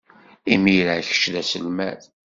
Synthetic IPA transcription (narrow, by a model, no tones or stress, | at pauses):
imiɾaçə̥ʃlæsəlmæð